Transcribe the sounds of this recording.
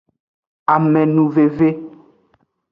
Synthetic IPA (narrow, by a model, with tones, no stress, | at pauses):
a˨mɛ̃˨nũ˨ve˨ve˦